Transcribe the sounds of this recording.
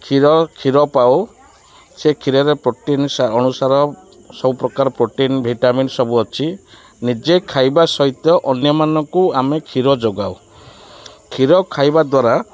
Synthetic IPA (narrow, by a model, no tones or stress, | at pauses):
kʰiɾɔkʰiɾɔpaw | sekʰiɾɔɾepɾoʈinsaɔnusaɾɔ | sɔbupɾɔkaɾɔpɾoʈinbʱiʈaminsɔbuɔt͡ʃʰi | nid͡ʒekʰajbasɔɦit̪jɔʔɔnjɔmanɔŋkuamekʰiɾɔd͡ʒoɡaw | kʰiɾɔkʰajbad̪waɾa